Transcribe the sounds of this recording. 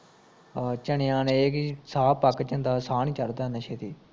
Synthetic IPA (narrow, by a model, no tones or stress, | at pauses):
t͡ʃəɳɪjãːneːkisaːpəkːt͡ʃənd̪aːsaːnĩːt͡ʃəɾd̪aːneʃeːt̪iː